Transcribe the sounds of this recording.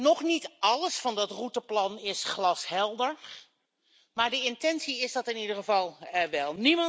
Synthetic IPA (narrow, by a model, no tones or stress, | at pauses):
nɔχnitɑləsfɑndɑtrutəplɑnɪsχlɑshɛlˠdəɹ | maːɹdəɪntɛnsiɪzdɑtɪnidəɹχəvɑlˠɛʋɛlˠnimɑ